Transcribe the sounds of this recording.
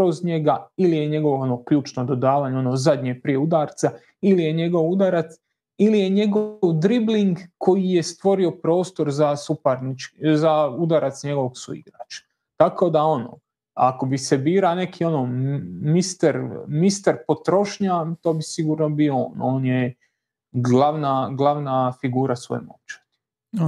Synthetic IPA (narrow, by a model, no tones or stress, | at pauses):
kɾozɲe̞ɡailije̞ɲe̞ɡo̞ʋoonokʎuːt͡ʃnod̪o̞d̪aːʋaːɲeonoːzad̪ɲeːpɾije̞ud̪aːɾt̪sa | ilije̞ɲe̞ɡo̞ʋud̪aɾat̪s | ilije̞ɲe̞ɡoʋd̪ɾibliŋɡko̞jije̞st̪ʋo̞ɾio̞pɾo̞ːst̪o̞ɾzasupaɾnit͡ʃzaud̪aɾat̪sɲe̞ɡo̞ʋo̞ɡsṵḭɡɾa̰ːt͡ʃḁ | t̪ako̞d̪ao̞no̰ | ako̞bisebiːɾane̞kʰio̞nomist̪eɾmist̪aɾpo̞t̪ɾo̞ʃɲat̪o̞ːbisiɡuːɾno̞bioo̰ːno̞ːnje | ɡlaʋnaɡlˠaʋnafiɡuːɾasʋo̰jmo̰t͡ʃḁt̪